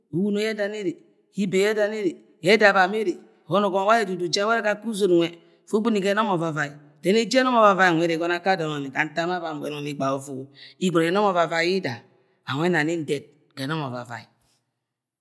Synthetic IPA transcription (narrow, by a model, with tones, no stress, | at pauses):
u˦wu˦no˦jɛ˦da˨ne˦ɾe˨ | hi˦be˨jɛ˦da˨ne˦ɾe˨ | jɛ˦da˨ba˨me˦ɾe˨ | ho˦no˨ɡɔ˨m˨˦wa˦e˦˨du˨du˨d͡ʒa˦wɛ˦ɾe˦ka˦ku˦zo˨n˨wʷɛ˨ | fo˦ɡ͡bu˦ni˨ɡɛ˦nɔ˦mɔ˨va˨va˨i˨ | dɛ˦ne˦d͡ʒi˦ɛ˦nɔ˦mɔ˨va˨va˨i˨e˨ɾe˨ɡɔ˦na˦ka˦dɔ˨nɔ˨ni˨ka˨n̩˦ta˦ma˦va˨m˨ḛ˨nɔ˨ni˦ɡ͡ba˨o˦fo˦˨o˨i˦ɡɔ˨ɛ˨˦nɔ˦mɔ˨va˨va˨i˦i˦da˨ | a˨ŋʷwʷɛ˦na˨ni˦n̩˦dɛ˨t̚ | kɛ˨nɔ˦mɔ˨va˨va̰˨i˨